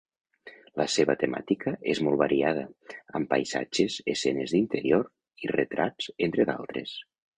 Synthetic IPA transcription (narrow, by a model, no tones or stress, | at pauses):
ləseβət̪ema̰t̪ikʰəʔezmɔlˠβaɾiað̞əəmpajza̰d͡ʒezesɛnezðint̪əɾioɾ | iret̪ɾad͡zent̪ɾeða̰lˠt̪ɾḛs